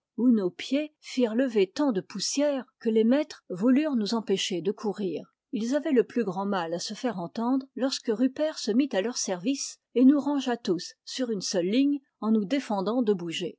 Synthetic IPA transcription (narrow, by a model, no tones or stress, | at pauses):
unopjefiʁləvet̪ɑ̃d̪əpusjɛːʁkəlemɛt̪χvulyʁnuzɑ̃peʃed̪əkʰuʁiːʁ | ilzavɛləplyɡʁɑ̃malasəfɛʁɑ̃t̪ɑ̃d̪ʁlɔʁskəʁypɛʁsəmit̪alœʁsɛʁvis | enuʁɑ̃ʒat̪usːyʁynsœlːiɲ | ɑ̃nud̪efɑ̃d̪ɑ̃d̪əbuʒe